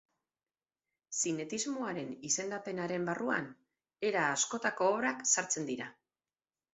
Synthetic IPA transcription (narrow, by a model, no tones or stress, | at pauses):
sine̞t̪izmoaɾe̞nise̞nd̪ape̞naɾe̞mbarua̰n | e̞ɾaːsko̞t̪ako̞ːβɾaksaɾt͡se̞nd̪iɾa